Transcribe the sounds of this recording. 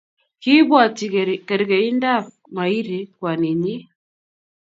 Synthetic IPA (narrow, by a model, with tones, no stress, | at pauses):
ki˦βwa˨ti˨kɛ˨ɾi˨kɛ˨i˦nda˦ | ma˨i˦ɾi˨kwa˨ni˨ɲi˦